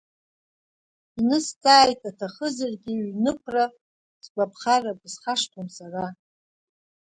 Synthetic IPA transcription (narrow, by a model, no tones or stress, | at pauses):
inɨstʼʰaːjtʼatʰaχəzarɡʲiɥnɨkʷʰra | sbʷʼapʰχarabʼɨzχaʂtʰomsara